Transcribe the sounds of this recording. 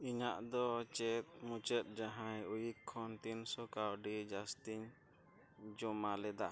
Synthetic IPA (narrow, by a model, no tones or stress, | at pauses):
iɲaʔd̪ɔt͡ʃɛt̪̚mũt͡ʃɛt̪̚d͡ʒaɦãjujikʰːɔnt̪insɔkawɖid͡ʒast̪iɲ | d͡ʒɔmalɛd̪a